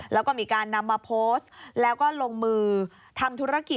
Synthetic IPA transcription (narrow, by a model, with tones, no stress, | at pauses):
lɛ˦˥wkɔː˥˩miː˧kaː˧nːa˧mːaː˧pʰoː˦˥slɛː˦˥wkɔː˥˩loː˧ŋmɯː˧ | t̪ʰa˧mt̪ʰu˦˥ɾa˧˥˧ki˨˩